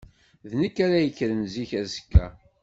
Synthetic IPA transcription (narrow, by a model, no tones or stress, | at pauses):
ðnəkːæɾæjəkːɾənziçæzəkːæ̰